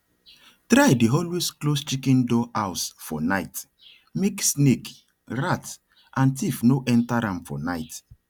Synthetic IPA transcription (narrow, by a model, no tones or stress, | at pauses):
tɾajdiɦɔlwisklost͡ʃikɛ̃ndɔʔaʊsfɔ̰naɪt | meksnek | ɹat | ʔãntifnoʔɛ̃ntaɾãmfɔ̰naɪt